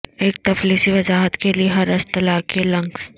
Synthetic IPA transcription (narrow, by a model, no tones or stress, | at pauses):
eːk̚t̪ɐfliːsiʋɐzaːɦət̪kelieɦɐɾɐst̪ɐlaːkelɐ̃ŋɡs